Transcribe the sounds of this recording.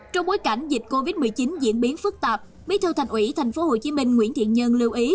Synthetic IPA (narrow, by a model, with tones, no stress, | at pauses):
t͡ɕɔ˧ŋ͡mɓo˨˦jka˧˩jŋ̟zï˨˩t̟̚ko˧vi˦˥t̚mɨ˨˩əjt͡ɕi˨˦nzḭ˧˥ənɓi˨˦ənfɨ˦˥k̚t̪aː˨˩p̚ | ɓi˨˦t̪ʰɨ˧wt̪ʰa˨˩ŋʔwḭ˧˥t̪ʰjŋ̟fo˨˦ho˨˩t͡ɕi˨˦mï˧ŋ̟ŋwḭ˧˥ənt̪ʰḭ˧˨ənɲə˧nli˧wʔi˨˦